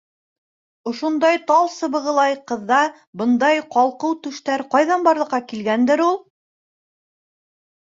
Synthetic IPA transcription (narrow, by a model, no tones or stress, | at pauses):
ŏʃond̪ɑjt̪ɑlˠsɤ̆βɤ̆ʁɤ̆lˠɑjqɤ̆ðːɑ | bɤ̆nd̪ɑjqɑlˠqɤwt̪ɵ̆ʃt̪æɾqɑjðɑnbɑɾlˠɤ̆qːɑkilɡænd̪ɘɾulˠ